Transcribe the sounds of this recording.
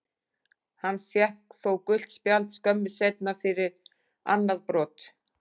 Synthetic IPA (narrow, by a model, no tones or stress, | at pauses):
hanːfjɛhkθowkʏl̥t̪spjalt̪skœmːɪsejt̪̚nafɪɾɪɾ | a̰nːaðpɾɔːt̪